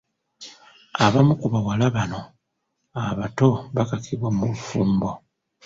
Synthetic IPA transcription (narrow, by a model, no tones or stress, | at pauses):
aβamukuβawalaβano̞ | aβato̞βakakʰiβwamulufuːmbo̞